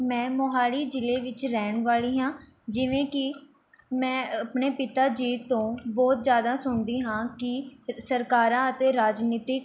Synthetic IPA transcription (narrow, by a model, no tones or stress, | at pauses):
mɛ̃ːmoɦaːɽiːd͡ʒɪleːʋɪt͡ʃɾɛːɳʋaːliːɦãː | d͡ʒɪʋẽːkɪ | mɛ̃ːəpɳeːpɪt̪aːd͡ʒiːt̪õːbɔːt̪zjaːd̪aːsʊɳd̪iːɦãːkɪsəɾkaːɾãːət̪eːɾaːd͡ʒniːt̪ɪk